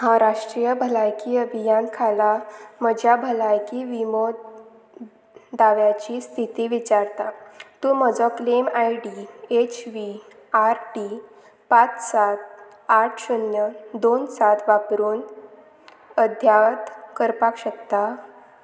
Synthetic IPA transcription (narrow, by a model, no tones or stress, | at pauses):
hãɾaʂʈɾijəbʱəlajkiəbʱijankʰalaməd͡ʑjabʱəlajkiʋimo | d̪aʋjat͡ɕiːst̪ʰit̪iːʋit͡ɕaɾt̪at̪uːməd͡zɔklemajɖiet͡ɕʋi | aɾʈi | pat͡ssat̪̚ | aʈʰɕunjəd̪onsat̪ʰʋapɾuːn | əd̪ʱjat̪kəɾpakɕək̚t̪a